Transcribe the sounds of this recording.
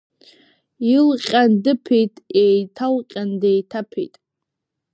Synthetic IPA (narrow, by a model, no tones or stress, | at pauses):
ilqʲʼandɨpʰijtʼejtʰalqʲʼandejtʰapʰḛjtʼ